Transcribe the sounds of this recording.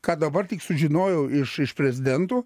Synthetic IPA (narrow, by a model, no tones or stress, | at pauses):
kɑːd̪ɐbɐrt̪ʲɪksʊʒʲɪnoːjɛʊɪʃɪʃpʲɾʲɛzʲɪd̪ʲɛnt̪uː